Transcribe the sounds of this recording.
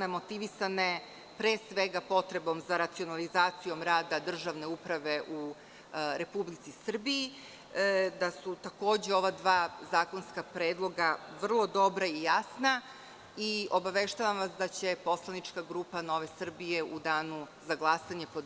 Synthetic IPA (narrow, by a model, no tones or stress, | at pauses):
emo̞t̪iʋisane̞ | pɾeːsʋeɡapo̞t̪ɾe̞bo̞mzaɾat̪sio̞nalizaːt̪sijo̞mɾaːd̪ad̪r̩ʒaʋne̞upɾaʋe̞ʔu | ɾe̞publit̪sisr̩bii | d̪asut̪ako̞ːd͡ʑeo̞ʋad̪ʋaːzaːko̞nskapɾeːd̪lˠo̞ɡaʋr̩lˠo̞d̪o̞bɾaijasna | io̞baʋeʃt̪aʋamʋasd̪at͡ɕe̞po̞slˠanit͡ʃkaɡɾuːpano̞ʋe̞sr̩bije̞ud̪aːnu | zaɡlˠasaɲe̞po